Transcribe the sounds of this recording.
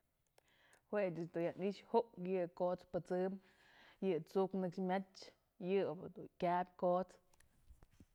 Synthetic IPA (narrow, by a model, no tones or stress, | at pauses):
hwet͡ʃɨsd̪ujaniʃhoʔkjɨkot͡spɨt͡sɨm | jɨt͡suknɨkʂmʲat͡ʃ | jɨbɨd̪ukʲabʲkot͡s